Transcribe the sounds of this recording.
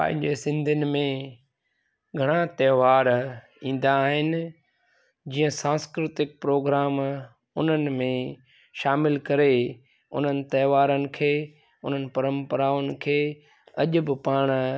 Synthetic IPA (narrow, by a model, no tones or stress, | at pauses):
pã̰ɦɪ̃ɲd͡ʑeːsɪ̃nd̪ʱənɪ̆mẽ | ɡʱɐɽ̃ãt̪ɛːʋaːɾ | ĩːn̆d̪aːɦɪnɪ̆ | d͡ʑiːə̃sãːskɾɪt̪ɪk̚pɾoːɡɾaːm | ʊn̤ənɪ̆mẽ | ʃaːmɪlkɐɾe | ʊ̰n̤ənɪ̆t̪ɐːʋaːɾənɪ̆kʰeː | ʊ̰n̤ənɪ̆pɐɾə̃mpəɾaːʊnɪ̆kʰeː | ɐʄʊbɪpaːɽ̃